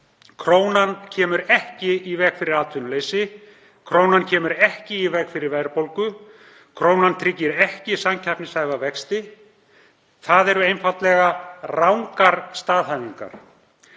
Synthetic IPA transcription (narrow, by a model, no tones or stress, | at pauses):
kʰɾoːwnancʰɛːmʏɾɛhcɪivɛːkfɪɾɪɾaːt̪ʰvʏnleːjsɪ | kʰɾoːwnancʰɛːmʏɾɛhcɪivɛːkfɪɾɪɾvɛðɾpowlkʏ | kʰɾoːwnant̪ʰɾɪcːɪɾɛhcɪsamcʰapnɪsaːjɣavɛkst̪ɪ | θaðɛɾʏejnfat̪lɛɣarawŋkaɾst̪aːðhajniŋka̰ɾ̥